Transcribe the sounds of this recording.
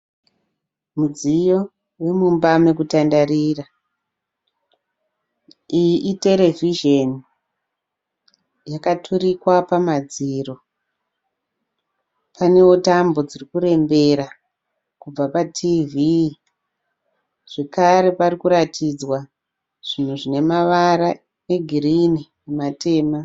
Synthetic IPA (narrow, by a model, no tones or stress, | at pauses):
mud͡zijo̞ | we̞mumbamekutandarira | ijiʔite̞le̞vʱiʒeni | jakatʰurikwapamad͡ziːro̞ | pʰane̞wotambo̞d͡zirikuɾe̞mbe̞ɾa | kub͡vapatʰivi | ʐ̥e̞kaɾe̞parikuɾatid͡zwa | ʐ̥in̤uʐine̞maʋaɾa | eɡʱirini | emate̞ːma